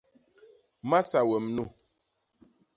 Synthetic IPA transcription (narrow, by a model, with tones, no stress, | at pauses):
ma˦sa˨wɛ˨mnu˦˨